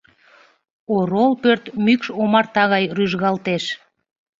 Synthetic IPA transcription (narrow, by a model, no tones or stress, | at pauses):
oɾolpørt̪mykʃomɑrt̪ɑɣɑjryʒɣɑlt̪eʃ